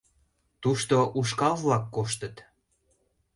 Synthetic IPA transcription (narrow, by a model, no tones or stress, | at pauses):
t̪uʃt̪oʔuʃkɑlβlɑkːoʃt̪ət̪